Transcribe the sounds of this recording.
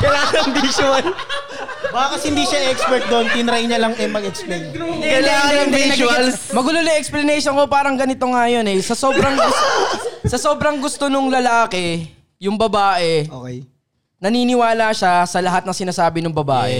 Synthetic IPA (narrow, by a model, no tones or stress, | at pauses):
kɐlaːnɐŋd̪iʃwɐl | baːɐkɐshɪnd̪iʃaʔɛkspɛɹt̪̚d̪ont̪ɪnɾajɲɐlɐŋɛmɐɡɛksplejnkɐlaːnɐŋiɐʃwɐlsmɐɡʊlolɐŋʔɛksplɐnɛjʃonko̞paːɾɐŋɡɐnɪt̪o̞ŋajo̞nɛsɐsoːbɾɐŋɡʊ | sɐso̞ːbɾɐŋɡʊst̪o̞nʊŋlɐlaːkɛ | jʊŋbɐbaːʔɛo | nɐniːnɪwaːlaʃasɐlɐɦat̪nɐŋsɪnaːsaːbɪnʊŋbɐba̰ːʔɛ̰